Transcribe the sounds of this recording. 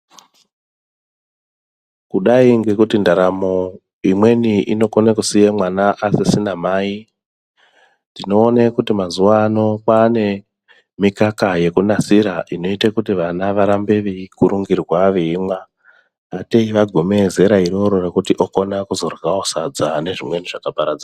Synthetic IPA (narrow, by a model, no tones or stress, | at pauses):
kuɗaiŋɡe̞kutindaɾamo | imwe̞niʔḭno̞konekusijemwanaʔasisinamaːi | ndino̞ːnekutimazuʋaːno̞kane̞ | mikakaje̞kunasiɾaʔino̞itakutiʋanaʋaɾambe̞ʋeikuɾuŋɡirwaʋeimwaː | teiʋaɡʱome̞ze̞ɾaiɾo̞ɾo̞rekutiʔo̞ko̞nakuzo̞rɣaosad͡zane̞ʐimwe̞niʐakapaɾad͡za